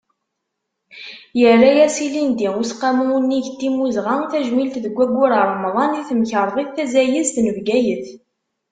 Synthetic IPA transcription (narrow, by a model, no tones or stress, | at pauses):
jərːajæsilind̪iusqːamuunːiʝt̪ːimuzʁaθæʒmilt̪ðəɡʷːæɡʷːʊɾərˤːəmðˤɑniθəmçəɾˤðˤiθθæzæjəst̪nəvɡæjəθ